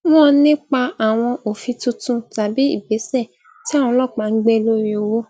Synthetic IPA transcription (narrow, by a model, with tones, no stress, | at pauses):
w̃ɔ̃˦nĩ˦k͡pa˧a˨w̃ɔ̃˧ʔo˨fi˧tũ˧˦tũ˦ta˨bi˨˦ḭ˦˨be˨˦sɛ˦˨ | ti˦ã˦˨ɔ̃˧lɔ˦˨k͡pa˨˦ŋ̩˦ɡ͡be˦˧lo˦ɾi˦o˧wo˦